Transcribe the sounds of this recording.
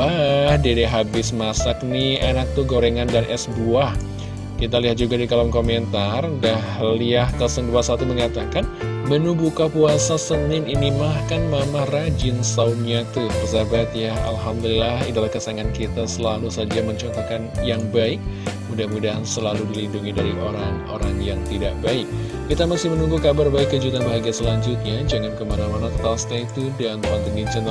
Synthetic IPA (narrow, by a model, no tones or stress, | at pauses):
ahdedeɦabɪsmasak̚nianak̚t̪uɡoɾeŋandanʔɛsbuah | kit̪̬aliɦat̪̚d͡ʒuɡadikalɔmkoment̪ardahliahkəsəŋduasat̪uməŋat̪akan | mənubukapuasasənɪninimahkanmamarad͡ʒɪnsawnɲat̪ub̪əsabat̪̚jaa̰lɦamd̪ulilahidalahkasaŋankit̪asəlalusad͡ʒaməɲt͡ʃɔnt̪okanjaŋbaɪk̚mudamudaʔansəlaludilinduŋidaɾiʔoɾaŋo̰ɾaŋjaŋt̪idaʔbaɪk̚ː | it̪amasɪhmənuŋɡukabarbaɪkːəd͡ʒut̪anbaɦaɡiasəlaɲd͡ʒut̪̚ɲad͡ʒəŋankəmanamanat̪ast̪ait̪udanant̪əŋid͡ʒən